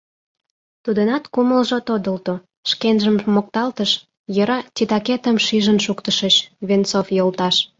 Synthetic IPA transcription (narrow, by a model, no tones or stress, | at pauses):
t̪ud̪ənɑt̪kuməlʒot̪od̪əlt̪o | ʃkenʒəmːok̚t̪ɑlt̪əʃ | jəɾɑtʲit̪ɑket̪əmʃiʒənʃukt̪əʃəɕβent͡sofjolt̪ɑʃ